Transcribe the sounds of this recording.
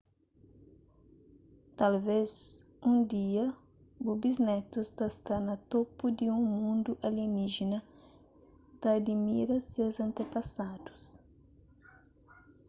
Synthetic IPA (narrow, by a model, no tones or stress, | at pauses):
t̪alvez | ũd̪iɐ | bubiznɛt̪usd̪ɐst̪aɾnɐt̪opud̪ɪũmũnd̪ʊʔaliniʒinɐ | d̪̥ɐːd̪imiɾɐsewzɐ̃nt̪epasad̪̥u̥s